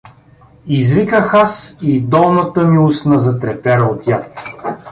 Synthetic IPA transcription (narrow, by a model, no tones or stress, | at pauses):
izvikəxasid̪ɔlˠnɐt̪əmiusnɐzɐt̪ɾɛpɛɾəot̪jat̪